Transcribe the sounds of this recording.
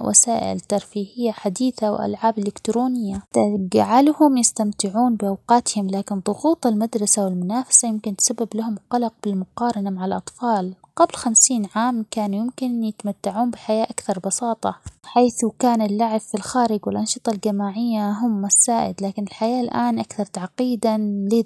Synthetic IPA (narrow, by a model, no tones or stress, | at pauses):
wʔa̰saːʔɪ̰lt̪ːɑɾˤfiːhɪjːaħad̪iːθaw̰ʔa̰lʕaːbɪlːɪkt̪ɾoːnɪjːat̪ad͡ʒaʕalhʊmjɪst̪amt̪ɪʕuːnbɪʔawqɑːt̪hɪmlaːkɪnðˤʊɣuːt̪ˤalmad̪ɾˤɑsawɪlmʊnaːfḁsajɪmkɪnt̪sabːɪblahʊmqɑlɑq̚b̥ɪlmʊqɑːɾˤɑnamaʕalʔɑt̪ˤfɑːlqablxamsiːnʕaːmkaːnujɪmkɪnjɪt̪mat̪ːaʕuːnbɪħajaːʔakθɑɾˤbɑsɑːt̪ˤɑ̰ħaːθkaːnalːaʕɪbfilxaːɾɪɡwɪlʔɑnʃɨt̪ˤɑld͡ʒamaːʕɪjːaɦʊmːasːaːʔɪ̰d̪laːkɪnɪlħajaːlʔaːnʔakθɑɾˤt̪aʕqiːd̪alɪ